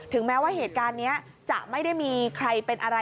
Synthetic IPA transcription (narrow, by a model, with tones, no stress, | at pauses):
t̪ʰɯ˩˦ŋmɛː˦˥waː˥˩heː˨˩t̪̚kaː˧nːi˦˥ɐ | t͡ɕa̰˨˩ʔma˥˩jda˥˩jmiː˧kʰɾa˧jpe˧nʔa˧ɾa˧